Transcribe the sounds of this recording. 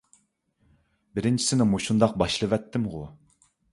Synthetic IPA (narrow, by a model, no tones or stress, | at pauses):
bɪɾɪnt͡ʃʰi̥sɪnɪmuʃund̪ɑq̚bɑʃlˠɨvɛt̪ʰːɪmʁʊ̰